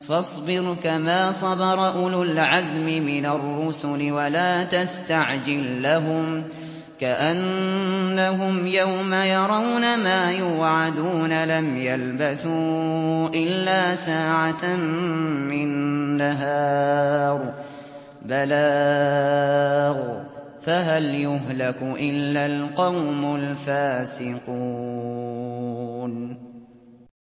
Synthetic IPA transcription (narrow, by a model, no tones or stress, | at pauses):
fɑsˤbɪɾkamaːsˤɑbɑɾˤɑʔʊlʊlʕazmɪmɪnarːʊsʊlɪwalaːt̪ast̪aʕd͡ʒɪlːaɦʊm | kaʔanː | aɦʊmjawmajɑɾˤɑwnamaːjuːʕad̪uːnalamjalbaθuːʔɪlːaːsaːʕa | mɪnːaɦaːɾˤ | balaː | ɣ | faɦaljʊɦlakʊʔɪlːalqɑwmʊlfaːsɪqu | n